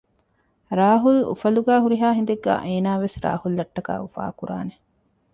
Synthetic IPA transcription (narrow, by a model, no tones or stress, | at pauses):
ɾaːɦulṵfɐluɡæːɦuɾiɦaːɦind̪eɡːæ̰ːʔeːnaːʋesɾa̰ːhulːɐʈːɐka̰ːufa̰ːkuɾa̰ːne